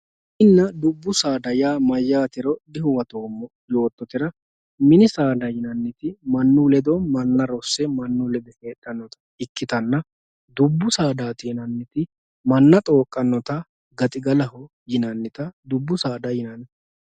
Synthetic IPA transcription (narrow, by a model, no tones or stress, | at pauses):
ʔɪnːɐd̪ʊbːʊsaːd̪ɐjaːmɐjːaːt̪ɪɾɔd̪ɪhʊwɐt̪o̞ːmːɔ | jo̞ːt̪ːɔt̪ɪɾɐ | mɪnɪsaːd̪ɐjɪnɐnːɪt̪ɪmɐnːuːlɛd̪ɔmɐnːɐɾɔsːɛmɐnːuːlɛd̪ɛfe̞ːt̪ʼːɐnːɔt̪ɐ̥ | ɪkːɪt̪ɐnːɐ | d̪ʊbːʊsaːd̪aːt̪ɪjɪnɐnːɪt̪ɪ | mɐnːɐt̪ʼo̞ːkʼːɐnːɔt̪ɐ | ɡɐt̪ʼɪɡɐlɐhɔ | jɪnɐnːɪt̪ɐd̪ʊbːʊsaːd̪ɐjɪnɐn